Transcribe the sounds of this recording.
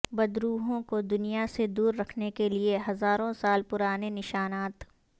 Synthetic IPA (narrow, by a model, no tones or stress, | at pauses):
bɐd̪ɾuːɦõkod̪ʊnijased̪uːɾːɐkʰnekelieɦɐzaːɾõsaːlpʊɾaːnenɪʃaːnaːt̪